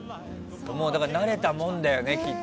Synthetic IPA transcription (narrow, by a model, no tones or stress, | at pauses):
t̪omoːd̪akaɾanaɾe̞t̪amõ̞nd̪ajo̞ne̞kʲi